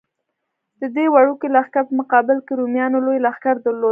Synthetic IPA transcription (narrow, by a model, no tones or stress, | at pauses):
d̪̥əd̪ewaɽukelaxkaɾpəmʊqɑbɪlkeɾumjɑnolojlaxkaɾd̪əɾlo